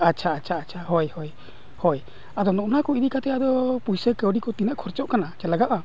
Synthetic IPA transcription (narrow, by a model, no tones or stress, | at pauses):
atːt͡ʃʰaːtːt͡ʃʰaːt͡ʃʰaɦɔjhɔj | hɔj | ad̪ɔnɔʔnakɔid̪iʔkat̪ɛad̪ɔpujsəkəwɖikɔt̪inəʔkʰɔɾt͡ʃɔʔkanat͡ʃɛlaɡaʔa